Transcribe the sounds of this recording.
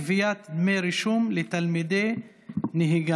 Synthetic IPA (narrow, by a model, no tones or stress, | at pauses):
vijat̪d̪mejɾiʃumlet̪almid̪e | niɦiɡa